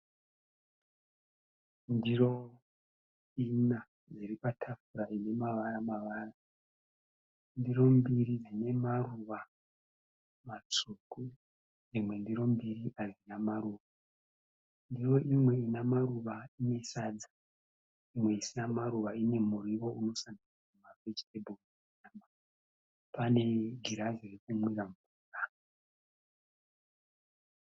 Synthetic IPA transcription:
ndiro̞ | ina | d͡ziripatʰafuɾaine̞maʋaɾamaʋaːra | ndiro̞mbirid͡zine̞maruʋa | mat͡suku | d͡zimwe̞ndiɾo̞mbiriʔarinamaɾuːʋa | ndiro̞ʔimwe̞inamaruʋaine̞sad͡zḁ | imwe̞isinamaɾuʋaine̞muriwo̞uno̞sandiraumarwet͡ʃi̥tebʱol | ama | pane̞ɡʱiɾazerekumwiraɱvuːra

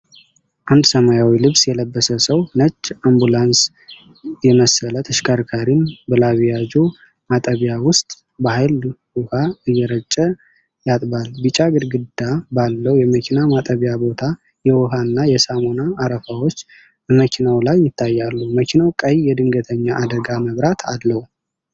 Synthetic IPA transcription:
ʔand̪səmajawilɨβsjɛləbːəsəsəwnət͡ʃʼːambulans | jɛməsələt̪ʰəʃkʰaɾkʰaɾinbəlaβjad͡ʒu | mat̪ʼəβjawʊst̪ʼ | bahajlwuhaɨjːɛɾət͡ʃʼːə | jat̪ʼbalbɨt͡ʃʼaɡɨd̪ɡɨd̪abalːəwjɛməkʰinamat̪ʼəβjabo̞t̪ʰa | jɛwɔɦanːajɛsamo̞naːɾəfawot͡ʃː | bəməkʰinawlajːɪt̪ʰːajːalːuməkʰinawkʼəjjɛd̪ɨŋɡət̪ʰəɲːaʔad̪əɡaməβɾat̪ʰad̪ləw

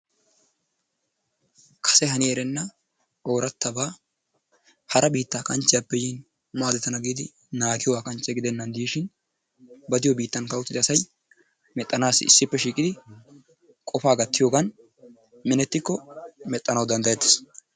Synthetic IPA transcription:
kʰɐ̥sɛɦɐnɪɛɾɛnːɐ | o̞ːɾɐt̪ːɐbaː | hɐɾʔɐbiːt̪ːaːkʼɐnt͡ʃːɪjapːɛjiːn | maːd̪ɛt̪ːɐnɐɡiːd̪ɪ | naːɡɪjɔwaːkʼɐnt͡ʃːɛɡɪd̪ɛnːɐnd̪iːʃɪn | bɐd̪ɪjɔbiːt̪ːɐnkɐwʊt̪ːɪd̪ɪɐsɐj | mɛt̪ʼːɐnaːsɪ̰sːɪpːɛʃiːkʼɪd̪ɪ | kʼɔfaːɡɐt̪ːɪjoːɡɐn | mɪnɛt̪ːɪkːɔmɛt̪ʼːɐnɐwd̪ɐnd̪ɐjɛt̪ːɪ̥s

